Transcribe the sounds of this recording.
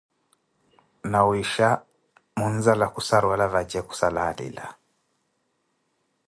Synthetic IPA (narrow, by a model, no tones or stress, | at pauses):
nawiʃa | munzalakusaɾwalavad͡ʒɛku̥salaːlḭla̰